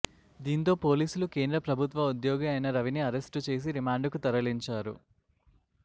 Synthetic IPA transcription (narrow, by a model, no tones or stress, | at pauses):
d̪iːnt̪̬o̞ːpo̞ːliːsulukeːnd̪ɾɐpɾɐbʱut̪ʋɐud̪joːɡiɐjnɐɾɐʋiniɐɾe̞sʈut͡ʃe̞ːs̬iɾimaːɳɖkut̪ɐɾɐliɲt͡ʃaːɾṵ